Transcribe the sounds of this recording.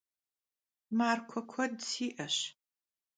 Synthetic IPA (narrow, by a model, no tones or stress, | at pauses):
maːrkʷʰɔkʷʰɔdsiːʔɐɕ